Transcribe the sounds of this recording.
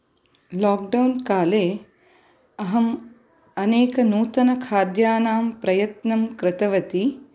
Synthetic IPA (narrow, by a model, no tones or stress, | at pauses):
laːk̚ɖɐwnkaːleː | ɐɦɐm | ɐneːkɐnuːt̪ɐnɐkʰaːd̪jaːnaːmpɾɐjɐt̪nɐmkɾɪt̪ɐʋɐt̪i